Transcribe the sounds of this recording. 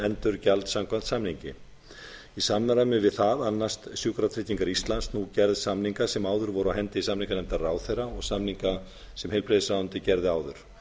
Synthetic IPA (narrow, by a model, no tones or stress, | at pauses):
ɛnt̪ʏɾ̥calt̪samkʰvant̪samniɲcɪ | isamːɾamɪvɪðθaðanːast̪sjʏːkɾat̪ʰɾɪːt̪ːiŋkaɾist̪lanst̪nucɛɾðsamniŋkasɛmaːwðʏɾvɔɾʏawɦɛnt̪ɪisamniŋkanɛmt̪araːwθejraɔɣsamniŋka | sɛmhejlpɾeðɪsawʏnt̪ɪcɛɾðɪaːwðʏɾ̥